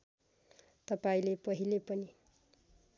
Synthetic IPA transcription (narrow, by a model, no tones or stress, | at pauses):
t̪ʌpaĩlepʌɦilepʌni